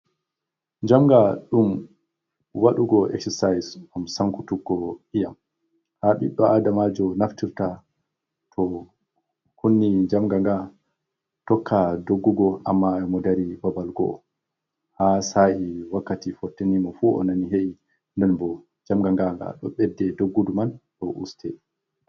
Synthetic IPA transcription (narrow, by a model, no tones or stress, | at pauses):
ɲd͡ʒamɡaɗum | waɗuɡɔɛ̰ksɛsajsamsaŋkutuɡːɔijam | haɓḭɗːɔʔadamad͡ʒɔnaftiɾta | tʰɔ | hunːid͡ʒamɡaŋɡa | tɔkʰːadoɡːuɡɔʔamːaɛmɔdaɾibabalɡɔ̰ɔ̰ | hasaʔiwakːatifɔtːenimɔfuɔ̰naniɦeʔi | ndɛnbɔ | d͡ʒamɡaŋɡaŋɡa̰ɗɔ̰ɓɛdːɛdoɡːudumanɗɔʔṵstʰɛ